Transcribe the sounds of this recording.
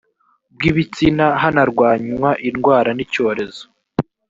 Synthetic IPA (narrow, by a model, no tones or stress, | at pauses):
b̚ɡiβit͡sinaɦanaɾɡwaːɲmwaʔinɡwaːɾanico̞ːɾe̞zo̥